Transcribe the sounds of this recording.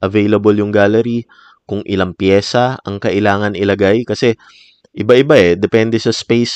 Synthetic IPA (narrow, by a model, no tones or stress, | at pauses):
ʔɐvejlɐboljʊŋɡaːlɐɾi | kʊŋʔɪlaŋpjɛːsɐɐŋkɐʔɪlaːŋɐnʔɪlɐɡajkɐsɛ | ʔɪbaʔɪbaɛd̪ɛpɛnd̪ɛsɐspejs